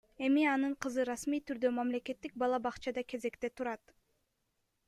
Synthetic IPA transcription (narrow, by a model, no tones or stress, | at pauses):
e̞miɑnɯɴqʰɯzɯɾɑsmijt̪yɾd̪ø̞mamle̞ke̞t̪ːik̚bɑlˠɑbɑqt͡ʃɑd̪ɑke̞ze̞kt̪e̞t̪uɾɑt̪